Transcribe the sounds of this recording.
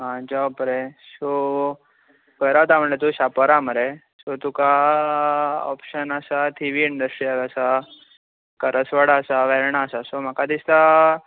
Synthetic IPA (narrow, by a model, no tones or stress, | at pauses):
ɦãd͡ʑapɾeso | kəjɾat̪am̤əɳet̪̬uɕapəɾaməɾe | sot̪uka | ɔ̰pɕənasat̪ʰiʋiːɳɖəsʈɾiaɡasa | kəɾəsʋəɽəsaʋɛɾɳaːsasom̤akad̪ist̪a